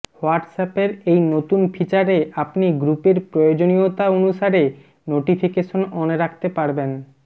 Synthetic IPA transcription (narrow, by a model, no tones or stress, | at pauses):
oaʈsapeɾejnot̪unfʰit͡ɕaɾeapniɡɾupeɾpɾojod͡ʑonijot̪aonuʃaɾe | noʈifʰikeʃonɔneɾak̚ʰt̪epaɾben